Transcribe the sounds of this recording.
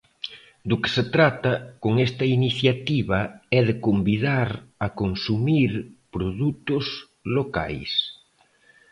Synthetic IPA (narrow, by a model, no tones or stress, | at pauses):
d̪ʊkɪ̥set̪ɾat̪ɐkoŋest̪ɐiniθjat̪iβɐɛðekombiðaɾɐkonsumiɾpɾoðut̪ʊz | loka̰js